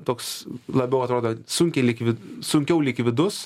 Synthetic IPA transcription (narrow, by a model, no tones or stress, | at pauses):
t̪oːkslˠɐbʲɛʊɐt̪ɾoːd̪oːsʊŋʲkʲelʲɪːkʋʲɪsʊŋʲkʲɛʊlʲiːkʋʲɪd̪ʊs